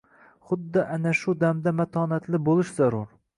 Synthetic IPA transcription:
χʊd̪ːɒʔanaʃʊd̪amd̪amat̪ʰɒːnat̪ʰlɪbolˠɪʃzaɾʊɾ

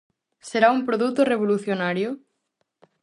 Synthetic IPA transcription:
seɾaumpɾoðut̪oreβ̞oluθjonaɾjo

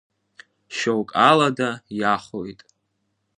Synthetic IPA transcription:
ʃowkʼaladajaχojtʼ

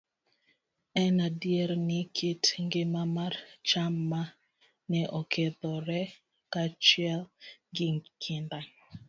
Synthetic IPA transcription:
ɛnadjɛɾnɪkʰetŋɡemamart͡ʃama | nɛʔɔkɛðɔɾɛ | kat͡ʃjɛlŋɡɪŋkʰɪndaŋ

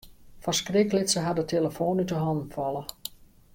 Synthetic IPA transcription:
fãskrɪklɪtsəɦadətʰeləfoːnytəɦɔndn̩fɔlˠə

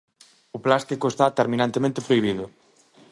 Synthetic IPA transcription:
ʊplast̪ikoest̪at̪eɾmĩnãnt̪emẽnt̪epɾoiβ̞iðʊ

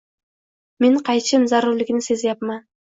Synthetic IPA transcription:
meɴqʰɑjt͡ʃəmzɑɾuɾlɪɡʲnɪsezjɑpmɑ

